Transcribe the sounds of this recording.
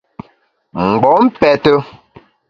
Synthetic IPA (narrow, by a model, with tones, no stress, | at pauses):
ŋ͡m̩˨ɡ͡bɔ˨˦m̩˦pɛ˨tə˦